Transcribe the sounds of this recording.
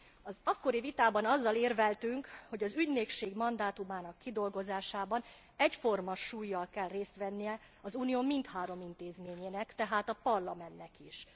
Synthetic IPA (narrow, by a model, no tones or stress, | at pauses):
ɒzɒkːo̞ɾivit̪aːbɒnɒzːɒleːrvɛlt̪yŋkho̞ɟɒzyɟneːkʃeːɡmɒnd̪aːt̪umaːnɒkːid̪o̞lɡo̞zaːʃaːbɒn | ɛcfo̞rmɒʃuːjːɒlkɛlreːst̪ʋɛnːijɛ | ɒzuːnijoːmint̪haːɾo̞mint̪eːzmeːɲeːnɛkt̪ɛɦaːt̪ɒpɒrlɒmɛnːɛkiʃ